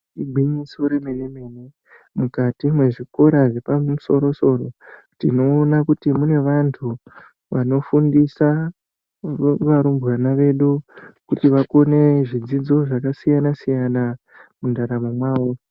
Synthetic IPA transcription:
iɡʱiɲisoɾe̞meɗemene | mukatimwe̞ʐiko̞ɾaʐe̞pauso̞ɾo̞so̞ro̞ | tḭno̞ːnakutimune̞ʋantʰu | ʋano̞fundisa | ʋaɾumburanaʋe̞ɗukutiʋako̞ne̞ʐid͡zid͡zo̞ʐakasijanasijana | mundaɾamomwaːwo

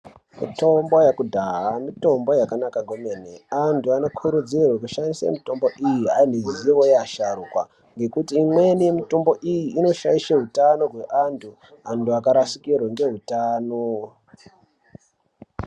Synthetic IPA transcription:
mḭto̞mbo̞jakudʱaɦamito̞mbo̞jakanakaŋɡomeneantʰuanokʰuɾud͡zirwekuʃanisḛmito̞mbo̞ʔijiɦaneziʋojaʃaɾukwa̰ | ŋɡe̞kutiːmwe̞nijemito̞mbo̞ʔijiːno̞ʃa̰iʃeɦutano̞ɦwe̞ʔantʰu | antuakaɾasikirweŋɡe̞ɦutaːno

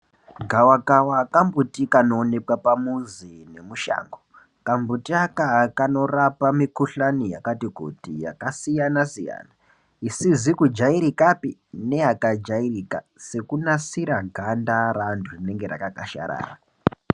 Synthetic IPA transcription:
ɡʱawakawakambutikanoːne̞kwapamuzine̞muʃa̰ːŋɡo | kambutiakakano̞rapamikuɬanija̰katiko̰tija̰kasijanasija̰ːna | isizikud͡ʒaiɾikapine̞akad͡ʒairika̰ | se̞kunasiɾaɡʱandaɾandʰurine̞ŋɡeɾa̰kakaʃa̰ɾa̰ːra

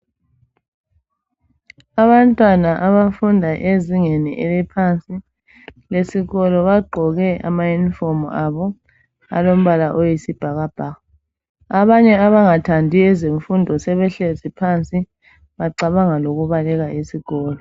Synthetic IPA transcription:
aβantʼwanaʔaβafundʱaʔeziŋenḭʔɛlɛpʰant͡sʼi | lesiɣɔlɔβaɡ͡ǃʱɔɣɛa̰majunifɔmuaβɔ | a̰lom̩βalaʔojisib̥ʱaɣab̥ʱaɣa | aβaɲɛaβaŋatʰandʱiɛzeɱfundʱɔsɛβɛɬezipʰant͡sʼi | βaǀaβaŋaloɣuβalɛɣaesiɣɔːlɔ

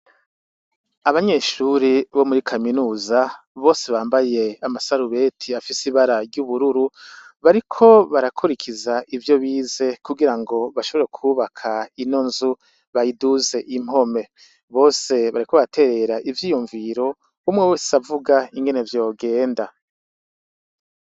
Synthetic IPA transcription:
aβaɲe̞ʃuːɾiβo̞muɾikʰaminuːza | βo̞ːse̞βaːmbaje̞amasaɾuβe̞tʰiafisiβaɾaɾɟuβuɾuɾuβaɾikʰo̞βaɾakʰuɾikʰizaʔivjo̞βiːze̞kuɡiɾaŋɡo̞βaʃo̞βo̞ɾe̞kʰuːβakʰaino̞nzu | βajiduze̞ʔim̥o̞me̞ | βo̞ːse̞βaɾiko̞βatʰe̞ɾe̞ɾaʔivjiːjuɱviɾo̞ | umŋeweːsavuɡaiŋɡe̞ne̞vjo̞ːɡe̞ːnda

